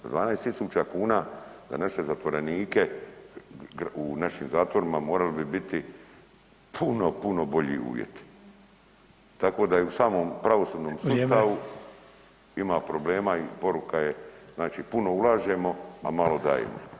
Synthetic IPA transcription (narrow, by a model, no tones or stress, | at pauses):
d̪ʋaːnaest̪isuːt͡ʃakuːnaːd̪a̰naʃe̞zat̪ʋo̞ɾe̞niːke̞ | ɡunaʃiːmzaːt̪ʋo̞ɾimamo̞ːɾalebibit̪i | pʰuno̞puno̞bo̞ʎḭṵːʋjḛt̪i̥ | t̪ako̞d̪ajeusaːmoːmpɾaʋo̞suːd̪noːmsust̪aʋu | imapɾo̞ble̞ːmaipo̞ɾukaje̞znaːt͡ʃiːpuno̞ulˠaːʒe̞mo̞a̰malo̞d̪a̰ːjḛmo̰